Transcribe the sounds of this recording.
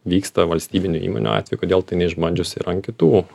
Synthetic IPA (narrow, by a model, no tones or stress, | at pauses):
ʋʲiːkst̪ɐʋɐlʲsʲt̪ʲiːbʲɪnʲʊḭːmo̰nʲṵɑ̰ːt̪ʲʋʲɛjukoːd̪ʲeːlˠt̪ɐɪnʲɛɪʒmɐnʲd͡ʒʲʊsʲɪ̰ɾɐŋkʲɪt̪uː